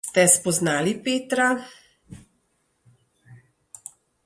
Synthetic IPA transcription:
t̪ɛspɔznaːlipeːt̪ɾa

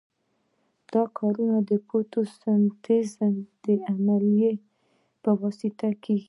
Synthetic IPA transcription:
d̪̥ɑkʰɑɾunad̪əpʰot̪osant̪ezand̪̥əamalije | pəwɑsɪt̪akeɡi

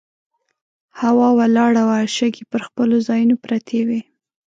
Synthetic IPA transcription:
hawɑwalɑɽawaʃaɡipəɾxpəlozɑjunopɾat̪ʰewe

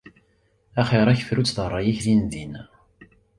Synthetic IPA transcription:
æχeɾˤæçə̥fɾut͡sːðərˤːɑjæçlinðin

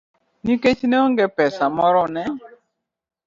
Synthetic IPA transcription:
niket͡ʃneoŋɡepɛsamɔɾɔnɛ

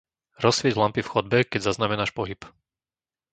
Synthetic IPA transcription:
ɾɔsʋɪɛɟlampifxɔd̪̚bɛkɛɟzaznamɛnaːʃpɔɦip

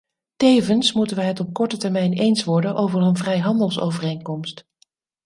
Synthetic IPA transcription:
tejvənsmutənʋəɦətɔp̚kɔɹtətɛɹmɛjnejnsʋɔɹdənʔowvərənvrɛjɦɑndəlˠso̰wvərejŋkɔmst

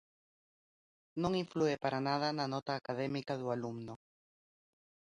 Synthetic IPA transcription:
nõŋiɱfluepaɾanaðananɔt̪aːkaðɛmikaðualumno

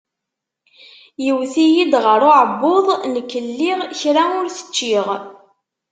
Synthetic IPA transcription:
jəwθijid̪ʁəɾʊʕəbːoðˤnəkːəlːiʁçɾaʊɾθə̥t͡ʃːiʁ

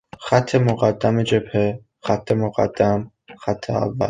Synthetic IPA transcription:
xæt̪ʰːemoɣæd̪ːæmed͡ʒebhe | xæt̪ʰːemoɣæ̰d̪̥ːæm | xæt̪ʰːḛa̰vːæ̰l

